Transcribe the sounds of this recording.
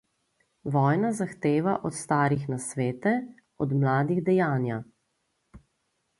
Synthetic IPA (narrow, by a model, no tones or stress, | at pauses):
ʋɔːjnazaxt̪eːʋaʔɔt̪st̪aːɾixnasʋeːt̪ɛ | ɔd̪mlaːd̪iɣd̪ɛjaːnja